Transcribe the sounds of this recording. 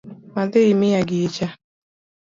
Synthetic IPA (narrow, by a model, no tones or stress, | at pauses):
madɪimɪjaɡɪet͡ʃa